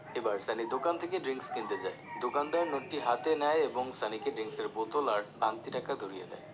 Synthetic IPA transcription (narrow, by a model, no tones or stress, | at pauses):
ebaɾsanid̪okant̪ʰekeɖɾiŋkskint̪ed͡ʑaed̪okand̪aɾnoʈːiɦat̪enajebɔŋsanikeɖɾiŋkseɾbot̪olaɾʈ̚pant̪iʈakad̪ʱoɾijḛd̪a̰e